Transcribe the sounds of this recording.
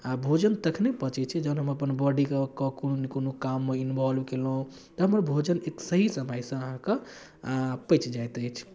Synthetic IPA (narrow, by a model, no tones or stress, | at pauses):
abʱod͡ʒənt̪əkʰnepət͡ʃɛt͡ʃʰid͡ʒəʊnɦəməpənbɔɖikekɔkononikonokamːeinbʱɔlbkeləɦũ | t̪ɔɦəməɾbʱod͡ʒəneksəɦisəməjsə̃əɦãke | pəɪt͡ʃd͡ʒajt̪ət͡ʃʰ